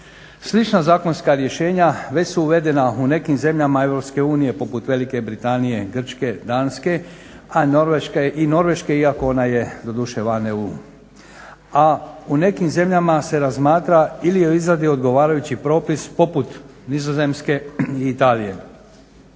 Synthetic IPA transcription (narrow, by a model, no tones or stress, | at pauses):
slit͡ʃnazaːko̞nskaɾje̞ʃe̞ːɲaʋe̞t͡ɕsuːʋe̞d̪e̞naune̞kimze̞mʎamae̞ʋɾo̞pske̞uːnije̞po̞put̪ʋe̞like̞bɾit̪anije̞ɡr̩t͡ʃke̞d̪aːnske̞ | ano̞ɾʋeʃkeʔino̞ɾʋe̞ʃke̞iakoo̞naje̞d̪o̞d̪uʃeʋaneu | aune̞kimze̞mʎamase̞ɾazmaːt̪ɾailijeizɾad̪io̞d̪ɡo̞ʋaːɾajut͡ɕipɾo̞ːpispo̞put̪nizoze̞mske̞iit̪aːlije̞